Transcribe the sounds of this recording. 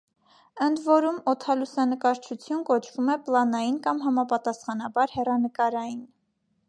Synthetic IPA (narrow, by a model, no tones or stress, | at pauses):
ənd̪vɔɾumɔt̪ʰɑlusɑnəkɑɾt͡ʃʰut͡sʰjunkɔt͡ʃʰv̥umɛplɑnɑjinkɑmɦɑmɑpɑt̪ɑsχɑnɑbɑɾhɛrɑnəkɑɾɑjin